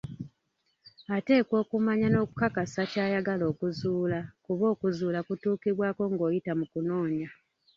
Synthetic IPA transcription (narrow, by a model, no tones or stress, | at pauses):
ate̞ːkwo̞ːkumaɲano̞ːku̥kakasacaːjaɡalo̞ːkuzuːlakuβo̞ːkuzuːlakutuːkiβwaːko̞ŋɡo̞ːjitamukuno̞ːɲa